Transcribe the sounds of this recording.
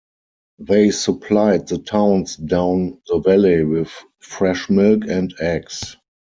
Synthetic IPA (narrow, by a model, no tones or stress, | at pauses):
ðeɪsəpʰlaɪd̚ðətʰãʊ̃nsdãʊ̃nðəvɛliwɪθ | fɹɛʃmɪlkɛ̃ntæks